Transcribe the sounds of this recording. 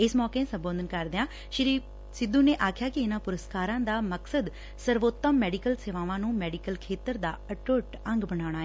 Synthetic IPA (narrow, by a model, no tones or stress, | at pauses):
ɪsmɔːkeːsə̃mbə̃ːnd̪ənkəɾd̪eːãː | ʃəɾiː | sɪd̪ːuːneːʔaːkʰɪjaːkɪɪnãːpʊɾəskaːɾãːd̪aːməksəd̪ | səɾʋoːt̪ːəmːɛːɖikəlseːʋãːʋãːnũːmɛːɖikəlkʰeːt̪əɾd̪aːəʈoːʈə̃ŋɡbənaːɽ̃aːeː